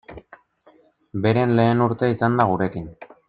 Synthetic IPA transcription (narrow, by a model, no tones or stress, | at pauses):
be̞ɾe̞nle̞ːnuɾt̪e̞isand̪aɣ̞uɾe̞kin